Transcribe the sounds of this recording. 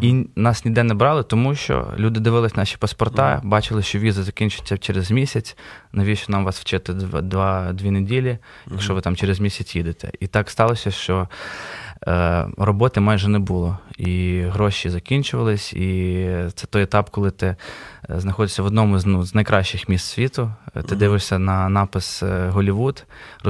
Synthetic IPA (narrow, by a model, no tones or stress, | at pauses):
inɑsnʲid̪ɛnɛbɾɑlˠɪt̪ɔmuʃt͡ʃɔ̰lʲud̪ɪd̪ɪʋɪlˠɪsʲnɑʃʲi̥pɐspɔrt̪ɑ̰bɑt͡ʃɪlˠɪʃt͡ʃɔʋʲizɐzɐkʲinʲt͡ʃʊt͡sʲːɐt͡ʃeɾezmʲisʲɐt͡sʲnɐʋʲiʃt͡ʃɔnɑmʋɑsʋ̥t͡ʃɛt̪ɪd̪ʋɑd̪ʲʋʲinedʲilʲijɐkʃt͡ʃɔʋɪt̪ɑmt͡ʃeɾɪzmʲisʲɐt͡ssʲjid̪ɪt̪ɛ̰ʔit̪ɑkst̪ɑlˠɔsʲɐʃt͡ʃɔ | rɔbɔt̪ɪmajʒɛnɛbʊlˠɔiɦɾɔʃizɐkʲinʲt͡ʃʊʋɐlˠɪsʲit̪sɛt̪ɔjɛt̪ɑpkɔlˠɪt̪ɪznɐxɔd̪ɪsʲɐʋɔd̪nɔmʊznuznɐjkɾɑʃt͡ʃɪxmʲist̪sʲʋʲit̪ʊt̪ɪd̪ɪʋɪʃsʲɐnɐnɑpɐsɦɔlʲiʋud̪